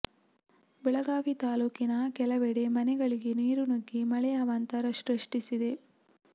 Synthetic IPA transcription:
bɛɭɐɡaːʋit̪aːluːkinɐkɛlɐʋeɽe̞mɐnɛɡɐɭiɡeniːɾunoɡːimɐɭɛjaːʋɐnt̪ɐɾɐʃɾɐʂʈisid̪e̞

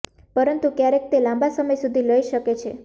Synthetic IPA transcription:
pəɾənt̪ukjaɾek̚t̪elãmbasəməjsud̪ʱiləiʃəket͡ʃʰe

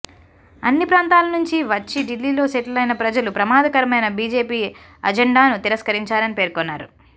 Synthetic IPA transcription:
ɐnːipɾaːnt̪aːlɐnuɲt͡ʃiʋɐt͡ʃːiɖilːiːlo̞ːseʈlɐlɐjnɐpɾɐd͡ʒɐlupɾɐmaːd̪ɐkɐɾɐmɐjnɐbiːd͡ʒe̞ːpiː | ɐ̰d͡ʒeɳɖaːnut̪iɾɐskɐɾiɲt͡ʃaːlɐnipe̞ːɾkɔnːaːɾu

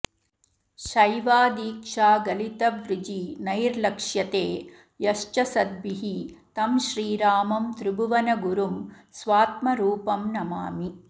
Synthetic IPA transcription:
ʃɐjʋaːd̪iːkʂaːɡɐlit̪ɐʋɾɪd͡ʒinɐjɾlɐkʂjɐt̪eː | jɐʂt͡ʃɐsɐd̪ʋiɦit̪ɐmʃɾiːɾaːmɐmt̪ɾɪbuʋɐnɐɡuɾum | sʋaːt̪mɐɾuːpɐmnɐmaːmi

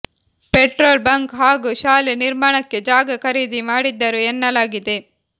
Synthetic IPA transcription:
peʈɾoːlbɐŋkɦaːɡuʃaːleniɾmaːɳɐkːe̞d͡ʒaːɡɐkɐɾiːd̪imaːɽid̪ːɐɾuɛnːɐlaːɡid̪e

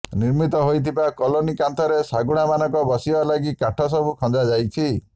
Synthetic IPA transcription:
niɾmit̪ɔɦojt̪ʰibakɔlonikant̪ʰɔɾesaɡuɽ̃amanɔŋkɔbɔsibalaɡikaʈʰɔs̬ɔbukʰɔ̃nd͡ʒad͡ʒajt͡ʃʰi

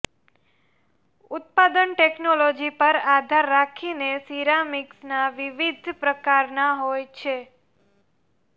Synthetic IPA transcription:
ʊt̪̚pad̪ənʈeknolod͡ʒipəɾad̪ʱaɾːakʰinesiɾamiksnaʋiʋid̪ʱpɾəkaɾnaɦojt͡ʃʰe

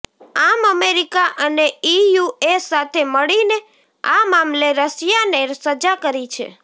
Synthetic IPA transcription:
aməmeɾikaʔəneijuesat̪ʰeməɭine | amamleɾəsjanesəd͡ʒakəɾit͡ʃʰḛ

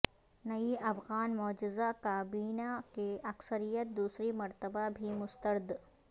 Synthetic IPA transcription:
nɐiɐfɣaːnmɔːd͡ʒɪzakaːbiːnakeɐksəɾijət̪̚d̪uːsɾimɐɾt̪əbabʱimʊst̪əɾd̪

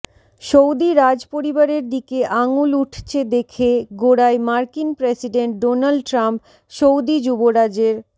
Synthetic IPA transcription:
ʃowd̪iɾad͡ʑpoɾibaɾeɾd̪ikeʔaŋuluʈʰt͡ɕʰed̪ekʰeɡoɽaemaɾkinpɾesiɖeɳʈ̚ɖonalɖʈɾamp | ʃowd̪id͡ʑuboɾad͡ʑeɾ

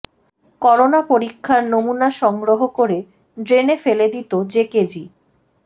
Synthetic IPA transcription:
kɔɾonapoɾikʰːaɾnomunaʃɔŋɡɾoɦokoɾe | ɖɾenefeled̪it̪od͡ʑeked͡ʑi

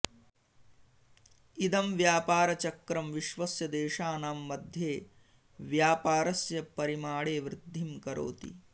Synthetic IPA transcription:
id̪ɐmʋjaːpaːɾɐt͡ʃɐkɾɐmʋiʃʋɐsjɐd̪eːʃaːnaːmːɐd̪ʱjeː | ʋjaːpaːɾɐsjɐpɐɾimaːɽeːʋɾɪd̪ʱːimkɐɾo̰ːt̪ḭ

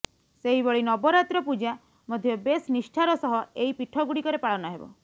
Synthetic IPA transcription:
seɦibɔɭinɔbɔɾat̪ɾɔpud͡ʒa | mɔd̪ʱjɔbesnisʈʰaɾɔsɔɦɔeɦipiʈʰɔɡuɽikɔɾepaɭɔnɔɦebɔ̰

